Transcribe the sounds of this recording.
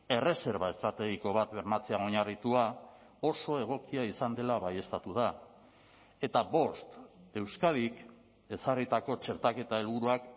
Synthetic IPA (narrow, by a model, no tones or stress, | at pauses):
e̞re̞se̞ɾβae̞st̪ɾat̪e̞ɣiko̞βat̪βe̞ɾmat͡se̞ao̞ɲarit̪ua | o̞so̞e̞ɣ̞o̞kiaisand̪e̞laβaje̞st̪at̪uð̞a | e̞t̪aβo̞st̪e̞wskaðik | e̞sarit̪ako̞t͡ʃe̞ɾt̪ake̞t̪ae̞lβuɾuak